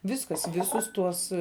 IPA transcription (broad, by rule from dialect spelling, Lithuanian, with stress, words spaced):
ˈʋʲɪskɐs ˈʋʲɪsʊs ˈtuɔs